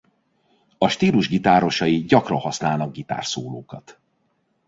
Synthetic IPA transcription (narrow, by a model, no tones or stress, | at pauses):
ɒʃt̪iːluʒɡit̪aːɾo̞ʃɒjiɟɒkrɒhɒsnaːlnɒɡ̚ɡit̪a̰ːrsoːloːkɒt̪